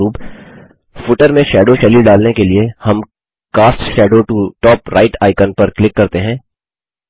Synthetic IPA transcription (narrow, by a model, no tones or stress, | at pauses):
uːp | fʊʈəɾmẽʃɛːɖoʃɛlilɖaːlnekeliehɐm | kaːsʈʃɛːɖoʈuʈɔːpɾaːɪʈaːɪkənpɐɾklɪkːɐɾt̪eɦɛ̃ː